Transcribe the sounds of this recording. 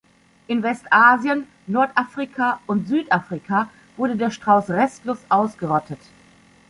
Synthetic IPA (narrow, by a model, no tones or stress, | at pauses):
ʔɪnvɛstʔaːzjən | nɔɐtʔafʁ̥ikʰaʊntz̥yːtʔafʁ̥ikʰa | vʊɐdədeːɐʃtʁ̥aʊsʁɛstlʊsʔaʊsɡ̥əʁɔtʰət